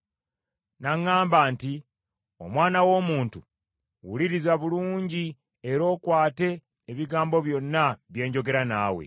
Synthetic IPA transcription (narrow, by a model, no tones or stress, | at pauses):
naŋːaːmbaːnti | o̞̰mwaːnawo̞ːmuːntu | wuliɾizaβuluːɲɟi | eɾo̞ːkwaːte̞ː | βiɡaːmbo̞βjo̞nːaβje̞ːɲɟo̞ɡe̞ɾanaːwe̞̰